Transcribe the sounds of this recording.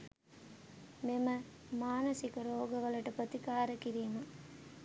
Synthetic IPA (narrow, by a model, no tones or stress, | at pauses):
memə | maːnɐsikɐɾoːɡəʋəlɐʈəpɾot̪ikaːɾəkiɾiːmɐ